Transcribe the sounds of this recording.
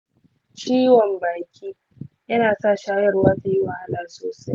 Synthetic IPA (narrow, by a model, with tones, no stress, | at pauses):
t͡ʃiː˦wɔ˨mbaː˨kʲiː˦ | jɐ˦naː˨saː˦˨ʃaː˦jɐ˦rwaː˦ta˨ji˦wɐ˨ha˦laː˦soː˨sa˦j